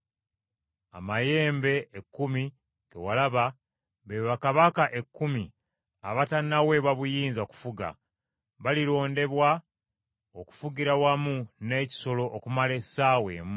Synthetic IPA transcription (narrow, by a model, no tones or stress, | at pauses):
a̰maje̞ːmbe̞ːkːumi | ɡe̞̰walaβa | βeβakaβakaʔe̞kːumi | aβatanawe̞βaβujiːnzaoku̥fuɡa̰ | βaliɾo̞ːnde̞βwa | oku̥fuɡiɾawamune̞ːci̥so̞lo̞ʔːkumale̞sawe̞̰ːmu